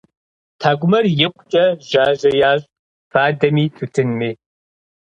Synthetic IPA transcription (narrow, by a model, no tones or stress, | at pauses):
tʰaːɡʷʊmɐrjɪqʷʼt͡ʃʼɐʒaːʑɐjaːɕʼ | faːdɐmiːtʰutʰɨnmiː